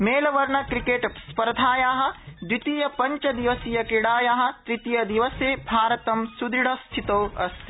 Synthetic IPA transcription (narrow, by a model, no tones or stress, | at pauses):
meːlɐʋɐɾɳɐkɾikeːʈspɐɾd̪ʱaːjaːɦɐ̆d̪wit̪ijɐpɐɲt͡ʃɐd̪iʋɐsijɐkiɽaːjaːɦɐ̆t̪ɾit̪ijɐd̪iʋɐseːbʱaːɾɐt̪ɐmsud̪ɾiɽɐst̪ʰit̪oːɐ̰st̪ʰi̥